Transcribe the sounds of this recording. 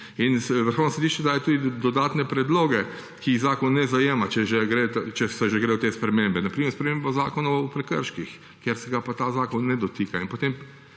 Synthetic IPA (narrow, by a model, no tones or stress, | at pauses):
insʋəɾxownosed̪iːʃt͡ʃɛd̪ajot̪uːd̪id̪ɔd̪aːt̪nɛpɾɛd̪loːɡɛ | kiiɣzaːkɔnːɛzajeːmat͡ʃɛʒɛɡɾet̪t͡ʃɛsɔʒɛɡɾeːjot̪espɾɛmembɛnapɾiːmɛɾspɾɛmembaza̰ːkɔnaupɾɛkə̰ɾʃkix | kjeɾsɛɡapat̪aːzaːkɔnːɛd̪ɔt̪iːkainpot̪eːm